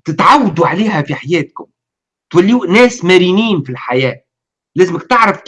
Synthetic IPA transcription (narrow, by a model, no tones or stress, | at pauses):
t̪ɪt̪ʕawːd̪uʕaliːɦæfiħajɛːt̪̚kʊm | t̪wælːiuʔnæːsmæɾiːniːnfilħajæː | læːzɪmɪk̚t̪ɪʕɾɑfk